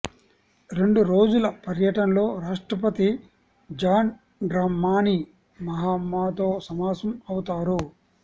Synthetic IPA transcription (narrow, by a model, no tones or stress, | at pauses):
ɾe̞ɳɖuɾo̞ːd͡ʒulɐpɐɾjɐʈɐnlo̞ːɾaːʂʈɾɐpɐt̪i | d͡ʒaːn | ɖɾaːmːaːni | mɐɦaːmːaːt̪oːsɐmaːsɐmɐwut̪aːɾu